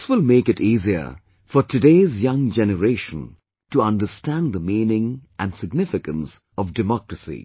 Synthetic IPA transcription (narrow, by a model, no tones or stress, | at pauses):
swɪlˠmeɪkɨtiːziə̰ | fɔtʰɨdeːzjʌ̃ŋd͡ʒɛnəɾeːʃə̃n | tuʌ̃ndəstæ̃nd̪əmĩːnɪ̃ŋʔæ̃nsɪɡnɪfɪkə̃ns | ɔvdɨmɔkɹəsḭ